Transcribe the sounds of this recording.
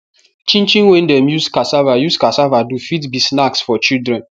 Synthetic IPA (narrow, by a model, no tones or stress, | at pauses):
t͡ʃĩnt͡ʃĩnwen̩dɛmjuskasavajuskasavadufitbisnaksfɔt͡ʃildɾɛ̃n